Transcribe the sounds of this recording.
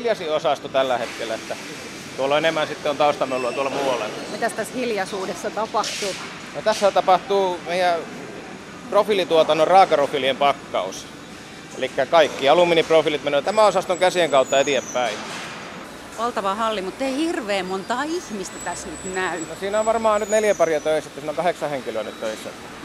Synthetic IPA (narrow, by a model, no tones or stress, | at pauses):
ljɑsiosɑst̪ut̪ælːæhet̪kelːˑæet̪ːæ | t̪uolːenemːˑænsit̪ːeont̪ɑust̪ɑmeolːuɑt̪uolmuolḛnmit̪æst̪æshiljɑsuːdesːɑt̪ɑpɑht̪u | not̪æsːæt̪ɑpɑht̪uːmeijæ | profiˑlit̪uot̪ɑnorrɑːkɑrofiliempɑkːɑ̰us | ḛlikːækɑikːiɑlumːiniprofilit̪menøjt̪æmæosɑst̪oŋkæsieŋkɑut̪ːɑet̪ieppæi | ʋɑlt̪ɑʋɑhɑlːimut̪ːeihirʋeːmmont̪ɑːihmist̪æt̪æsnyt̪næynosiːnoʋʋɑrmɑːnyt̪neljæpɑriɑt̪øiset̪ːæsiːnoŋkɑheksɑheŋkiløːnyt̪t̪øisːɑ̰